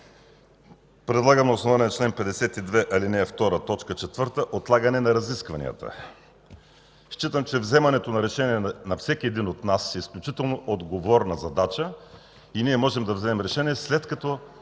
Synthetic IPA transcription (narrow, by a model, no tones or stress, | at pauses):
pɾɛd̪lˠaɡəmnɐosnovanɛnɐt͡ʃlɛnpɛd̪ɛsɛt̪id̪vɛʔɐlinɛft̪ɔɾət̪ɔt͡ʃkət͡ʃɛt̪vɤɾt̪əʔot̪lˠaɡənɛnɐɾɐziskvɐnḭə̰t̪ə̰ | ʃt͡ʃit̪əmt͡ʃɛvzɛmɐnɛt̪onɐɾɛʃɛniɛnɐfsɛkʲiɛd̪inot̪nasɛisklʲut͡ʃit̪ɛlˠnoʔod̪ɡovɔɾnɐzɐd̪at͡ʃə | iniɛmɔʒɛmd̪ɐvzɛmɛmɾɛʃɛniɛslɛt̪kɐt̪ɔ